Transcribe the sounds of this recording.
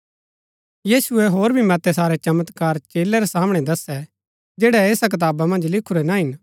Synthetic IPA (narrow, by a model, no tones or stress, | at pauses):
jiːsʊɛɦoːɾbʱimɐt̪ɛsaːɾɛt͡ʃɐmət̪kaːɾt͡ʃeːlɛɾɛsaːmɽ̃ɛd̪ɐsɛ | d͡ʒeːɽɛɛːsak̬ɐt̪̬aːbamɐ̃nd͡ʒlɪkʰʊɾɛnaɦɪn